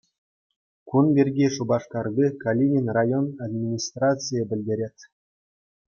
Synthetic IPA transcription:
kunbʲerʲɡʲiʂubɑʂkɑrdʲikalʲinʲinʲrajonad̪ʲmʲinʲist̪rat͡sɨjəbʲɘ̆lʲdʲeɾʲetʲ

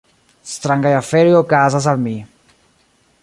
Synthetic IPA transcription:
st̪ɾaŋɡajafeɾjokazas̬almi

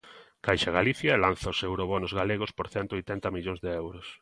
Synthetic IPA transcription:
kajʃaɣaliθjaelan̟θaosewɾoβɔnozɣaleɣ̞ospoɾθɛnt̪oojt̪ɛnt̪ɐmiʎoŋzðeewɾʊs

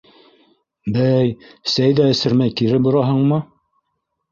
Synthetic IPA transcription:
bæjsæjðæɘ̆sɘ̆ɾmæjkiɾɘbŏɾɑɦɤɴmɤ

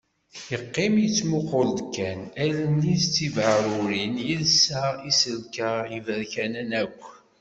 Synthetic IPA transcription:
jəqːɪmjət͡sːmʊqʊld̪kːænælənːist͡s̪ːivʕəɾʊɾinjəlsaisəlkəʁivəɾçænənækʷː

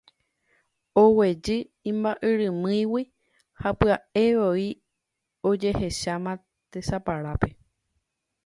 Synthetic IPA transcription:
owe̞d͡ʒɨ | ĩmbaʔɨɾɨ̃mɨ̃jwi | hapɨae̞ʋoi | o̞d͡ʒe̞he̞ʃamã | t̪e̞sapaɾape̞

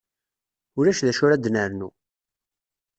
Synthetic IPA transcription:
ʊɾæʃðæʃʊɾæd̪nəɾnu

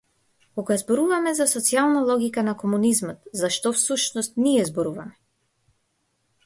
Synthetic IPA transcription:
kɔkjazbɔɾuvamɛzasɔt̪sialˠnalˠɔɡikanakɔmunizmɔt̪zaʃt̪ɔfsuʃnɔst̪niɛzbɔɾuvamɛ

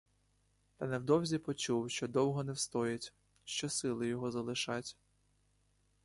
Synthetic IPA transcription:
t̪ɐnɛwd̪ɔwzʲipɔt͡ʃuwʃt͡ʃɔd̪ɔwɦɔnɛwst̪ɔjɐtʲ | ʃt͡ʃɔsɪlˠɪjɔɦɔzɐlˠɪʃɑtʲ

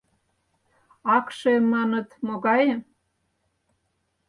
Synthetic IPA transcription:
ɑkʃemːɑnə̆t̪moɣɑje

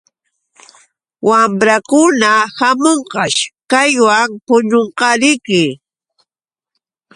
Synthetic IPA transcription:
wamɾakʊnahamoɴqɑʃkajwaŋpʊɲoɴqɑɾɪjkɪ

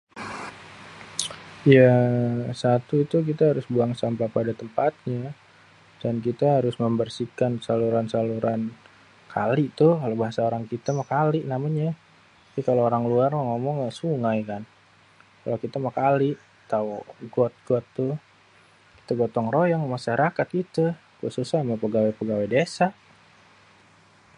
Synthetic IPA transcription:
jasat̪uit̪uk̬it̪aɦaɾʊsbuaŋsampapadat̪əmpat̪̚ɲa | dankit̪aɦaɾʊsməmbərsikansaluɾansaluɾan | kʰa̰lit̪ʊhkalobaɦasaoɾaŋkit̪amakalɪʔnamaɲa | pikaloːɾaŋluaraŋomɔŋːaʔsuŋajkan | kalokit̪amakalɪʔ | t̪auɡɔt̪̚ɡ̥ɔt̪ːʊh | ki̥t̪aɡot̪ɔŋrojaŋmaʃaɾakat̪̚kit̪ə | kuʔsusahmapəɡawepəɡawedesaʔ

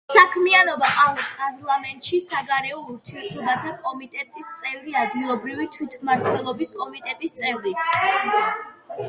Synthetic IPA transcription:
sakʰmianɔbaqʼaspʼaɾlˠamɛnt̪ʼʃisaɡaɾɛɔuɾt̪ʰiɛɾt̪ʰɔbat̪ʰakʼɔmit̪ʼɛt̪ʼist̪sʼɛvɾiad̪ɡilˠɔbɾivit̪ʰwit̪ʰmaɾt̪ʰwɛlˠɔbiskʼɔmit̪ʼɛt̪ʼist̪sʼɛvɾi

